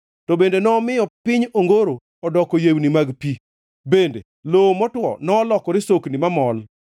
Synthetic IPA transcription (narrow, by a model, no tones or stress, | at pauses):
tɔbendenɔːmɪjɔpɪɲoŋɡoɾo | ɔdɔkɔjewnimaɡpi | bendḛ | lomɔtwɔ̰nɔːlɔkɔɾɪsoknimamɔl